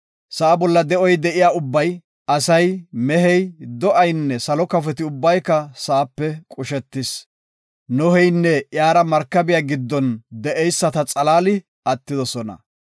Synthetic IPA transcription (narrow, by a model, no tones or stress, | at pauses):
sɐːbɔlːɐd̪ɛʔɔjd̪ɛʔɪjaːʊbːɐj | ɐsɐjmɛɦɛjd̪ɔʔɐjnːɛsɐlɔkɐfɛt̪ɪʊbːɐjkːɐsaːpːɛkʼʊʃɛt̪ːɪs | nɔhɛjnːɛjaːɾɐmɐɾkːɐbɪjaːɡɪd̪ːɔnd̪ɛʔɛjsːɐt̪ɐt͡sʼɐlaːlɪ | ɐt̪ːɪd̪ɔsɔnɐ̰